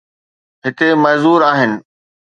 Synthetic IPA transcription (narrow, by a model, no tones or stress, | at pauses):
ɦɪk̪emɐɦzuːɾaːɦɪnɪ̆